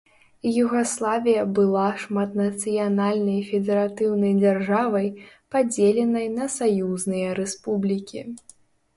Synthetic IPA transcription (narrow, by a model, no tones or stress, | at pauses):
juɣaslˠavʲijɐbɨlˠaʂmat̪nɐt̪sɨjanalʲnɐjfʲɛd̪ɛɾat̪ɨwnɐjd͡zʲarʐavɐjpad͡zʲelʲɛnɐjnɐsajuznɨjɐɾɛspublʲikʲḭ